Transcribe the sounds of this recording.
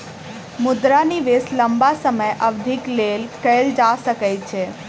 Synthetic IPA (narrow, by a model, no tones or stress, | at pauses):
mʊd̪ɾaniʋesləmbasəməjʔəʋd̪ʱiklelkəld͡ʒasəkəjt͡ʃʰe